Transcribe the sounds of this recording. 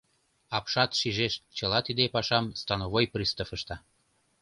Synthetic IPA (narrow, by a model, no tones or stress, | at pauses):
ɑpʃɑt̪ʃiʒeʃt͡ɕəlɑt̪id̪epɑʃɑmst̪ɑnoβojprist̪əfəʃt̪ɑ